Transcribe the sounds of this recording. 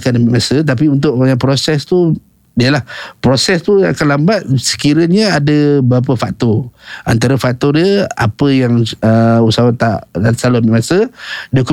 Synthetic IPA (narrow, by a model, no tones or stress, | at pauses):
kanləmiʔmasət̪̬apiunt̪̬ʊʔ̚maɲapɾosɛst̪u | diəlahpɾosɛst̪uakanlambat̪̚sə̥kiɾəɲəadəbəap̬əfak̚t̪ɔa̰nt̪aɾəfak̚t̪ɔdiəa̰pəjaŋəusawat̪aʔasalʊhmiʔmasədəku